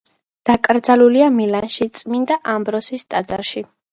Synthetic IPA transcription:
d̪̥akʼɾd̪zaluliamilanʃit̪sʼmind̪aʔambɾɔsist̪ʼad̪zaɾʃi

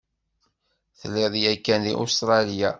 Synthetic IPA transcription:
θlːɪðˤjækːænðḭʔṵst̪ɾˤɑlija

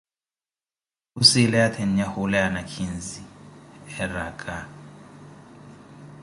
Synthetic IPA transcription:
usilɛjat̪ʰɛn̩jahulɛanakʰinziɛrakʼa

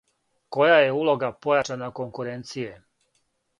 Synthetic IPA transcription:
ko̞jajeuːlˠo̞ɡapo̞jat͡ʃanakoŋkuɾent̪sije

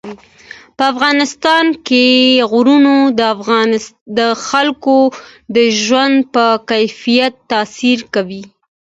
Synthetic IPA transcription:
pəafɣɑnɪst̪ɑnkeɣɾunod̪ | d̪əxalkod̪əʒwand̪pəkajfijat̪ːɑsiɾkawi

